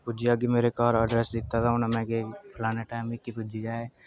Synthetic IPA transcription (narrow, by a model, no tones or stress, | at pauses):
pʊd͡ʒiaɡimeːɾekaːɾəɖɾɛsd̪ɪt̪ːat̪ʰaʊnɐmɛ̃kepʰɪlaːneʈaːɪmɪkːipʊd͡ʒid͡ʒaːe